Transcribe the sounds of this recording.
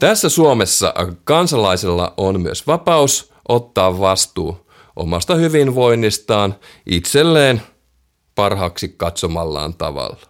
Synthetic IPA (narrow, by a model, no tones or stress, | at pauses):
t̪æsːæsuomesːɑ̰kɑnsɑlɑiselːɑ̰ʔonmyøsʋɑpɑus | ʔot̪ːɑːʋʋɑst̪uː | ʔo̰mɑst̪ɑhyʋinʋo̞inːist̪ɑːnʔit̪selːeːn | pɑrhɑksikkɑt̪somɑlːɑ̰ːnt̪ɑ̰ʋɑ̰lːɑ̥